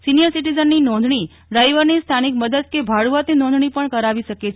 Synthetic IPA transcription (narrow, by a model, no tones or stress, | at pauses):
sinijəɾsiʈizənːinɔ̃nd̪ʱɳi | ɖɾajʋəɾnist̪ʰanik̚məd̪əd̪̚kebʱaɭuʋat̪ninɔ̃nd̪ʱɳipəɳkəɾaʋiʃəket͡ʃʰ